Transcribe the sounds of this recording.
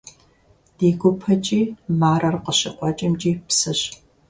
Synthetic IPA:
d̥eːɡʷʊpʰɐt͡ʃʼiːmaːrɐrqəɕɪ̰qʷʼɔt͡ʃʼɪmt͡ʃʼiːpsɨɕ

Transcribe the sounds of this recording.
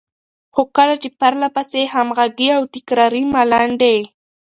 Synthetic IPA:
xʊkalat͡ʃɪpaɾlapasehamɢaɡiawt̪ɪkɾaɾimalaɳɖej

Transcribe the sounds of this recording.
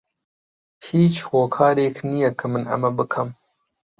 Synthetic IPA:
hiːt͡ʃhoːkʰaːɾeːknijɐkʰɐmɨnʔɐ̰mɐbɨkʰɐm

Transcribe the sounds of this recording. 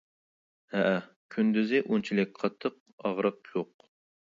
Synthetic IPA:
hɛʔ | kʲʰynd̪yzɪʔunt͡ʃʰilɪk̚ʲqʰɑt̪ʰːəq̚ | ɑʁɾəqjoq

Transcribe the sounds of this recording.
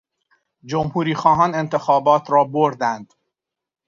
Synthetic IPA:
d͡ʒomhuːɾiːxɒːɦɒːne̞nt̪ʰe̞xɒːbɒːt̪ʰɾɒːboɾd̪ænd̪̥

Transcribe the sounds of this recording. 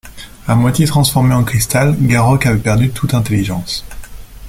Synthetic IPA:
amwat̪jet̪χɑ̃sfɔʁmeɑ̃kχist̪alɡaʁɔkavɛpɛʁd̪yt̪ʰut̪ɛ̃t̪eliʒɑ̃s

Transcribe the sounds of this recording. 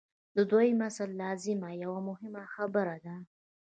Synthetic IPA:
d̪əd̪ojmasalːɑzɪmajawamʊhɪmaxabəɾad̪a

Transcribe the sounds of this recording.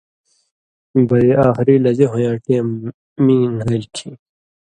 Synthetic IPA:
bɐiaːxɾilɐd͡ʑeɦõjãːʈi | mĩːnɐlkʰĩ

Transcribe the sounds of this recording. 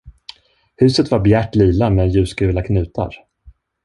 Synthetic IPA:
hʉ̟ːsət̪vaɾbjæːʈːliːlamɛjʉ̟ːskʉ̟ːlakʰnʉ̟ːt̪ʰa̰ɾ

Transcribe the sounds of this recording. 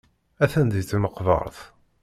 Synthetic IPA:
æθænd̪jt͡sːməqːvə̰ɾˤθ

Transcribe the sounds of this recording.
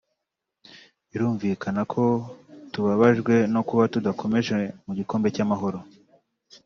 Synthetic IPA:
iɾuːɱviːkʰanakʰo̞tuβaβaʒɡwe̞no̞kuβatudakʰo̞me̞ʒe̞muɟiko̞ːmbe̞camaɦo̞ɾo̞

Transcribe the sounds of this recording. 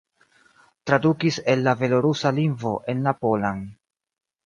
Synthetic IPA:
tɾadukise̞lːave̞lo̞ɾusalinvo̞ʔe̞nlapo̞lan

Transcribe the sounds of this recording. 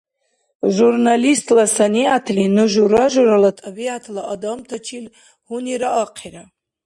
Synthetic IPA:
ʒurnalistʰlasaniatʰlinɨʒʷuraʒʷuralatʰabiatʰlaʔodomtʰat͡ʃʰil | huniɾaʔaqʰiɾa

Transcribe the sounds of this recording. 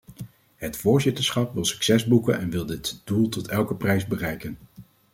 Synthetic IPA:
ɦətfʊːɹzɪtəɹsχɑpʋɪlˠsy̥ksɛzbukə̰nɛnʋɪlˠdɪtd̥ulˠtɔtɛlˠkəprɛjzbərɛjkən

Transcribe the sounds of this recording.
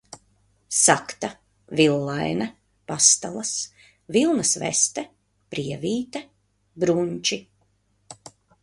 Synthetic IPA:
sakt̪a | vilˠːajnɐ | past̪a̰lˠɐs | vilˠnɐsvɛ̰st̪ɛ | pɾiɛviːt̪ɛ | bɾuɲʲt͡ʃi

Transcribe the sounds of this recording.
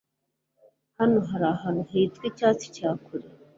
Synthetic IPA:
hanoɦaɾaːɦanoɦeitwicaːt͡si̥caːkʰuɾe

